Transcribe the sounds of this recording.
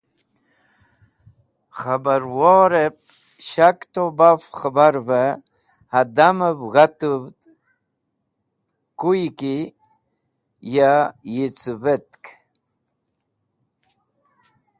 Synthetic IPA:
χabaɾwoɾep̚ | ɕakt̪obafxabaɾvə | had̪aməbɣat̪uvd̪ | kujki | jajit͡svet̪k

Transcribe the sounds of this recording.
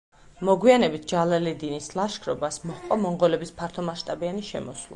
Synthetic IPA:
mɔɡwianɛbit̪̚ʰd͡ʒalalɛd̪inislˠaʃkʰɾɔbasmɔhqʼɔmɔɴʁɔlɛbispʰaɾt̪ʰɔmaʃt̪ʼabianiʃɛ̰mɔswlˠa̰

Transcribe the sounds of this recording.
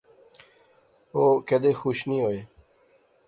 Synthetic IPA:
oːked̪eːxuːʃnĩːɦoːeː

